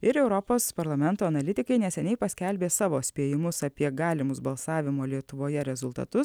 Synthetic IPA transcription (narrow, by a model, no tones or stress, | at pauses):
ɪɾɛʊɾɔpoːspɐɾlˠɐmʲɛnt̪oːɐnɐlʲɪt̪ʲɪkɐɪnʲɛsʲɛnʲɛɪpɐsʲkʲɛlʲbʲeːsɑːʋoːsʲpʲeːjɪmʊsɐpʲiɛɡɑːlʲɪmʊsbɐlˠsɑːʋʲɪmoːlʲiɛt̪ʊʋoːjɛɾʲɛzʊlˠt̪ɐ̰t̪ʊs